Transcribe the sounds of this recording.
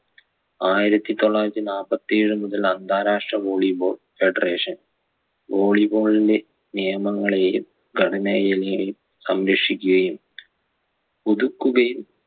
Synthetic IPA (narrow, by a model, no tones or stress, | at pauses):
aːjiɾɐt̪ːit̪o̞ɭːaːjɾɐt̪ːinaːpɐt̪ːeːɻɨmuðɐlɐnd̪ʱaːɾaːʂʈrɐʋoːɭibo̞ːɭ | feɖɐreːʂɐn | ʋoːɭiboːɭide | nijɐmɐŋːɐɭe̞ːjum | ɡʱɐɽɐnɐjɐliŋɐjum | sɐmɾɐkʂikʲːuɣɐjum | puðukːuɣɐjum